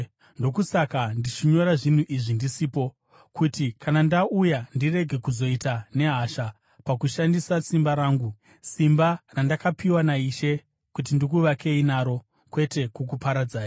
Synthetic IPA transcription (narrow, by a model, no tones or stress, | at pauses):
ndo̞kusakandit͡ʃiɲo̞ɾaʐin̤uʔiʐindisiːpo̞ | kutikʰanandaujandire̞ɡʱe̞kuzo̞itane̞ɦaʃa | pakuʃandisasimbaɾaːŋɡu | simbarandakapiwanaiʃe̞ | kut̬indik̬uʋakʰe̞inaːɾo̞ | kwe̞te̞kuk̬upaɾad͡zaːja